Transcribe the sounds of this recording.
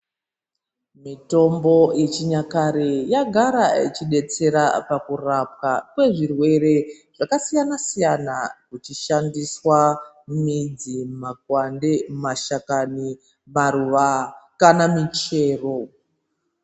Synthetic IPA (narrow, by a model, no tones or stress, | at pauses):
mito̞mbo̞jet͡ʃiɲakaɾejaɡʱaɾait͡ʃiɗe̞t͡se̞ɾapakurap̚kakwe̞ʐirwe̞ɾe̞ | ʐ̥akasijanasijanakut͡ʃiʃandiswa | mid͡zimakwandemaʃakani | maɾuʋakanamit͡ʃe̞ːro̞